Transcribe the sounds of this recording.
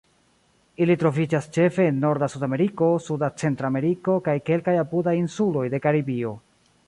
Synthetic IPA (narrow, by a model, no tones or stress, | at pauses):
ilitɾovid͡ʒast͡ʃe̞fe̞ːnːo̞ɾdasudame̞ɾiko̞sudat͡se̞ntɾame̞ɾiko̞kajke̞lkajapudajinsulo̞jde̞kaɾibio̞